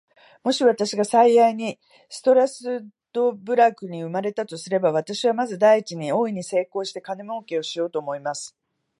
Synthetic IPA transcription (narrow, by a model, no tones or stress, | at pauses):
mo̞ɕiβat̪aɕiɡasaijaiɲ̟i | sɨ̥t̪o̞ɾasɨ | d̪̥o̞bɯ̟ɾakɯ̟ɲ̟iɯ̟maɾe̞t̪at̪o̞sɨɾe̞baβ̞at̪aɕiβamazɨd̪aiit͡ɕiɲ̟io̞ːiɲ̟ise̞ːko̞ːɕi̥t̪e̞kanɯmoːke̞o̞ɕijo̞ːt̪o̞ːmo̞imasɨ̥